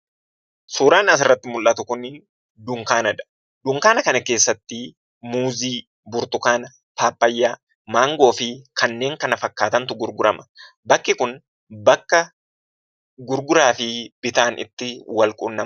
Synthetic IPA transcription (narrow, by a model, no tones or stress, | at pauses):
suːɾaːnɐs̬ɪrːɐt̪ːɪmʊlʔɐt̪ʊkʊnː | d̪ʊŋkaːnɐᶑɐ̥ | d̪ʊŋkaːnɐkɐnɐke̞ːsːɐt̪ːɪ | muːziː | bʊɾt̪ʊkaːnɐ | t̪aːpːɐjːaː | maːŋɡo̞ːfɪkʰɐnːe̞ːŋkɐnɐfɐkːaːt̪ɐnt̪ʊɡʊɾɡʊɾɐmɐ̥ | bɐkːɪkʊn | bɐkːɐ | ɡʊɾɡʊɾaːfɪb̥ɪt̪aːnʔɪ̰t̪ːɪwɐlkʼʊnːɐm